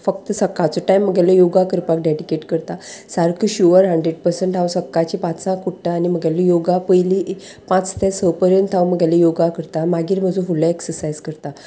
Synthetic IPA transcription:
fək̚t̪əsəkːat͡sɔʈajmːəɡjaləjoɡakəɾpak̚ɖeɽikeʈkəɾt̪asaɾkʰəɕuʋəɾɦəɳɖɾeɖpəɾsəɳʈɦawsəkːat͡ɕipat͡ssãkuʈːaːnim̤əɡjaləjoɡapəjli | pãt͡st̪ẽsəpəɾənt̪ʰawməɡjaləjoɡakəɾt̪amaɡiːɾm̤əd͡zũfulaeksəɾsajd͡zkəɾt̪a

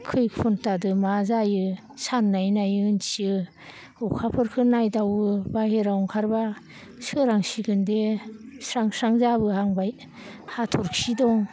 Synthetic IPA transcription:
kʰɯjpʰuntadɯmazajɯ | sanːajnajɯnsiɯ | ukʰapʰɯɾkʰɯnajdawɯbaheɾawŋkʰaɾba | sɯɾaŋsiɡɯndesɾaŋsɾaŋzabɯhaŋbaj | hatʰɔɾksidɔŋ

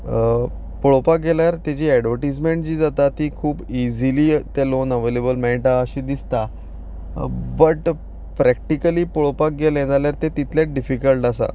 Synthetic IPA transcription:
poɭopak̚ɡeljaɾt̪jad͡ʑiːɛɖʋəɾʈismeɳʈ̚d͡ʑiːd͡zat̪at̪iːkʰuːbid͡ziliːt̪elonəʋelebəlmɛʈaəɕiːd̪ist̪a | bəʈ | pɾæk̚ʈikəliːpoɭopak̚ɡeljɛ̃d͡zaljaɾt̪et̪it̪ʰljaɖifikəlʈasa̰

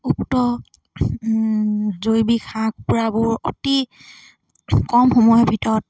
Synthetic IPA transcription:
uktɔ | zojbikʰãɡ̚pʊɹabʊɹo̰ti | kɔmxɔmɔjɔbʱitɔɹɔt̚

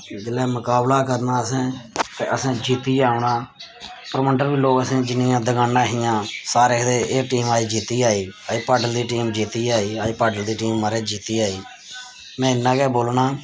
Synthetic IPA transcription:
d̪ɪlɛːmʊkaːblaːkəɾnaːəsɛ̃ːk̪eʔəsɛ̃ːd͡ʒiːt̪iːaːʊnaː | pəɾməɳɖəɾbiːloːkəsẽːd͡ʒɪnɪjãːd̪əɡãːnːãːɦɪjãːsaːɾeːkʰd̪eːʔeːʈiːmaːiːd͡ʒiːt̪iːaːiːaːiːpaːɖəld̪iːʈiːmd͡ʒiːt̪iːaːiːaːiːpaːɖəld̪iːʈiːmːəɾeːd͡ʒiːt̪iːaːiː | mɛ̃ːɪnːãːkɛːboːlnaː

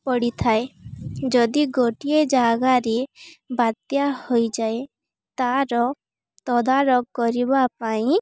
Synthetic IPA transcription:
pɔɽit̪ʰaed͡ʒɔd̪iɡoʈied͡ʒaɡaɾebad̪jahojd͡ʒae | t̪aɾɔ | t̪ɔd̪aɾɔɡkɔɾibapaĩ

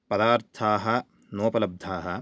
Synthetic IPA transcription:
pɐd̪aːɾt̪ʰaːɦɐ | noːpɐlɐb̚d̪ʱaːɦɐ

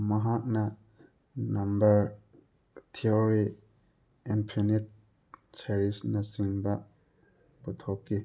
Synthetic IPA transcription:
mɐɦak̚nɐ | nambɐɾ | tʰioɾi | impʰunit̚ | t͡ʃeɾisnasiŋbɐ | butʰɔp̚kːi

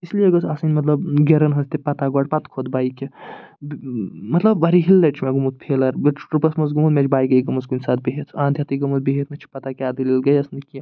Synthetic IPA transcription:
islijeɡɐt͡sʰasɐnʲmɐt̪lɐbɡeɾɐnɦɐnst̪epɐt̪aɡɔɖpɐt̪kʰod̪baːjke | bmɐt̪lɐbɐɾiɦilːɐʈt͡ʃʰmeɡumut̪̚pʰelɐɾbeʈɾupɐsmɐs̬ɡumut̪mʲet͡ʃʰbaːjɡɐjɡɐmɐsɡunʲsaːt̪̚beɦet̪ʰãːnd̪ʱjat̪iɡɐmɐsbeɦet̪mɐt͡ʃʰi̥pɐt̪akaːd̪ililɡɐjɐsniki

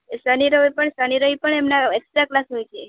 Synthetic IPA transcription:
səniɾəɦpəɳsəniɾəɦipəɳemnaekst̪ɾaklasɦojt͡ʃʰe

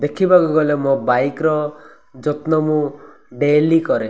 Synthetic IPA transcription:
d̪ekʰibakuɡɔlemɔ̃bajkɾɔ | d͡ʒɔt̪nɔmũ | ɖelikɔɾe

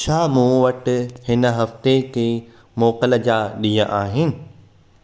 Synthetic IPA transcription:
ʃʰaːmũːʋɐʈɪ̆hɪnə̆ɦɐft̪ekʰeː | mɔːqələ̆d͡ʑaːɗiːjə̃ʔaːɦɪnɪ̆

